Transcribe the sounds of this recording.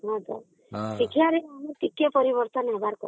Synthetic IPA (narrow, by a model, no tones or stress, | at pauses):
ɦɔd̪ɔ̰ | sikʰjaɾeamiʈikepɔɾiβɔɾt̪ɔnɦebaɾkɔ̰